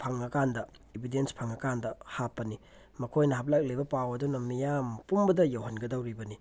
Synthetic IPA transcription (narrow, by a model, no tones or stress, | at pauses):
pʰaŋɐkandɐ | ibʱidenspʰaŋɐkandɐhapːɐni | mɐkʰojnɐɦɐp̬̚ʰlak̚lijbɐpawɐdunɐmijampumbɐdɐjawɦɐnɡɐdɐwɾibɐni